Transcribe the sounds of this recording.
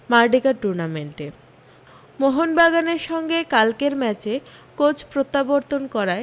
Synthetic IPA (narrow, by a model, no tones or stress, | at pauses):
maɾɖikaɾʈuɾnameɳʈe | moɦonbaɡaneɾʃɔŋɡekalkeɾmɛt͡ɕekot͡ɕʰpɾot̪ːaboɾt̪onkɔɾae